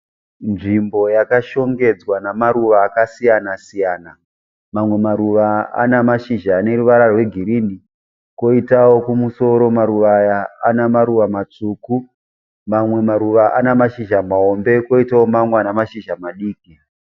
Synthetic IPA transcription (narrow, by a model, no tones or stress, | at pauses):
nʐimbo̞jakaʃo̞ŋɡe̞d͡zwanamaɾuʋaːkasijanasijaːna | mamwe̞maɾuʋaa̰namaʃiʒaːne̞ruʋaɾarwe̞ɡʱiɾini | ko̞itawo̞kumuso̞ɾo̞maɾuʋajaanamaɾuʋamat͡ʂuːku | mamwe̞maɾuʋaʔanamaʃiʒamao̞mbe̞ko̞itawomamwanamaʃiʒamaɗiːki